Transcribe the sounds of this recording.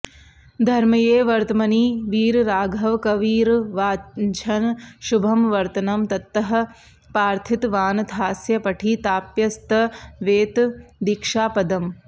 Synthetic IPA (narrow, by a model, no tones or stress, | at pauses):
d̪ʱɐɾmɐjeːʋɐɾt̪ɐmɐniʋiːɾɾaːɡʱɐʋkɐʋiːɾʋaːɲt͡ʃʰɐnʃubʱɐmʋɐɾt̪ɐnɐmt̪ɐt̪ːɐɦɐ̆ | paːɾt̪ʰit̪ʋaːnd̪ʱaːsjɐpɐʈʰit̪aːpjɐst̪ɐʋeːt̪d̪ikʂaːpɐd̪ɐm